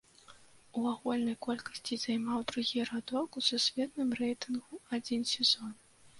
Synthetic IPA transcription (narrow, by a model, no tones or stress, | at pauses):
uaɣulʲnɐjkɔlʲkɐsʲt͡sʲizajmawd̪ɾuɣʲiɾad̪ɔkususʲvʲɛt̪̚nɨmrɛjt̪ɨnɣuad͡zʲinsʲɛzɔn